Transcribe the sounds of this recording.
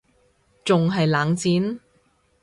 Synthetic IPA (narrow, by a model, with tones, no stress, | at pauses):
t͡sʊ˨ŋɦɐ˨jlaː˨˧ŋt͡siː˨˥n